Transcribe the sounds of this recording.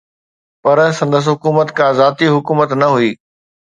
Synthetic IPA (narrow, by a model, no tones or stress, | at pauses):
pɐɾsɐ̃nd̪əs̬ɦʊkuːmət̪kʰãːzaːt̪iɦʊkuːmət̪nɐɦuiː